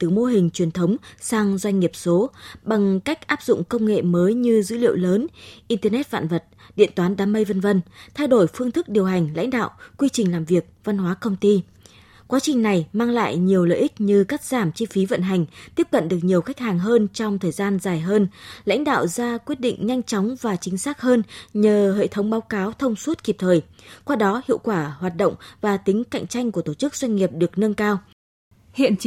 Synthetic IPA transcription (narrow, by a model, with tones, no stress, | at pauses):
t̪ɨ˨˩mo˧ɦï˨˩ŋ̟t͡ɕwi˨˩ənt̪ʰə˨˦wŋ͡msaː˧ŋzwa˧jŋ̟ŋi˨˩əp̚so˨˦ɓa˨˩ŋka˦˥jk̟̚ʔaː˦˥p̚zʊ̰˧˨ŋ͡mkə˧wŋ͡mŋḛ˧˨məː˨˦jɲɨ˧zɨ̰˧˥lḭ˧˨əwləː˨˦nʔi˧nt̪əː˧nɛ˦˥t̚fa̰ː˧˨nvə˨˩t̚ɗḭ˧˨ənt̪waː˨˦nɗaː˨˦mə˧jvə˧nvə˧nt̪ʰa˧jɗo˧˩jfɨ˧əŋt̪ʰɨ˦˥k̚ɗi˨˩əwɦa˨˩ŋ̟la̰˧˥jŋ̟ɗa̰ː˧˨wkwi˧t͡ɕï˨˩ŋ̟laː˨˩mvi˨˩ək̚va˧nhwaː˨˦kə˧wŋ͡mt̪i˧ | kwaː˨˦t͡ɕï˨˩ŋ̟na˨˩jmaː˧ŋla̰ː˧˨jɲi˨˩əwlə̰ː˧˨ʔï˦˥k̚ɲɨ˧kaː˦˥k̚z̥aː˧˩mt͡ɕi˧fi˨˦və̰˧˨nɦa˨˩jŋ̟t̪i˦˥əp̚kə̰˧˨nɗɨ˨˩ək̚ɲi˨˩əwxa˦˥k̟̚haː˨˩ŋɦəː˧nt͡ɕɔ˧wŋ͡mt̪ʰəː˨˩jzaː˧nzaː˨˩jɦəː˧nla̰˧˥jŋ̟ɗa̰ː˧˨wzaː˧kwi˦˥ət̚ɗḭ˧˨ŋ̟ɲa˧jŋ̟t͡ɕɔ˨˦wŋ͡mvaː˨˩t͡ɕï˨˦ŋ̟saː˦˥k̚həː˧nɲəː˨˩ɦḛ˧˨t̪ʰə˨˦wŋ͡mɓaː˨˦wkaː˨˦wt̪ʰə˧wŋ͡mswə˦˥t̚ki˨˩p̚t̪ʰəː˨˩j | kwaː˧ɗɔ˨˦hḭ˧˨əwkwaː˧˩hwaː˨˩t̚ɗə̰˧˨wŋ͡mvaː˨˩t̪ï˨˦ŋ̟ka̰˧˨jŋ̟t͡ɕa˧jŋ̟ku˧˩ət̪o˧˩t͡ɕɨ˦˥k̚zwa˧jŋ̟ŋi˨˩əp̚ɗɨ˨˩ək̚nə˧nkaː˧w | hḭ˧˨ən